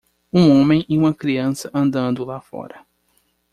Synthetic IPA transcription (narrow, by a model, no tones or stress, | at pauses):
ũõmẽj̃ɪũmɐkɾiɐ̃sɐʔɐ̃nd̪ɐ̃nd̪ʊlafɔ̰ɾɐ